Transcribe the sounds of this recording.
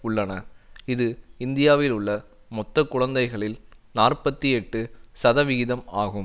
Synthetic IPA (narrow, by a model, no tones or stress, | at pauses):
ʊɭːɐnɐɪðɯɪnd̪ɪjaːʋɪlʊɭːɐ | mɔt̪ːɐkʊɻɐnd̪ɐɪɣɐɭɪlnaːrpɐt̪ːiɛʈːɯsɐðɐʋɪɣɪðɐmaːɣɯm